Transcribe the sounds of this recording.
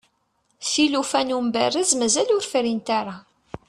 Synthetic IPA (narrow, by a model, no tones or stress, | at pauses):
θilufænumbærəzmæzælʊɾfɾint̪aɾˤa